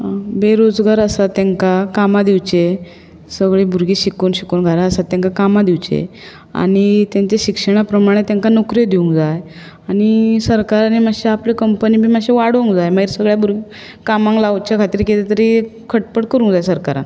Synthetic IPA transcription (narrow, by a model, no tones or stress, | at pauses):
beɾod͡zɡaɾəsat̪ãŋkakamad̪iwt͡ɕe | səɡɭebʱuɾɡiːɕikunɕikoːnɡʱaɾaəsat̪ːãŋkakamad̪iʋt͡ɕḛ | a̰ɽ̃it̪jãɲt͡ɕeɕikʂəɽ̃apɾəmaɽ̃et̪jãŋkanokɾed̪iũŋɡd͡zaj | añisəɾkaɾanimaɕeaplekəmpənibʱiːmaɕeʋaɽũŋɡd͡zajməiɾsəɡɭjabuɾɡi | kamãŋklawt͡ɕakʰat̪iːɾket̪et̪əɾikʰəʈ̚pəʈkəɾũŋɡd͡zajsəɾkaɾã̰n